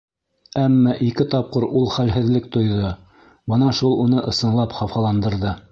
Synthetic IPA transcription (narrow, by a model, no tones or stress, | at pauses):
æmːɑʔikɘt̪ɑp̚qɤɾulˠχælɦɘ̆ðlɘkt̪ŏjðo | bɤnɑʃulˠunɤʔɤ̆sɤ̆nlˠɑpχɑfɑlˠɑnd̪ɤ̆ɾðɤ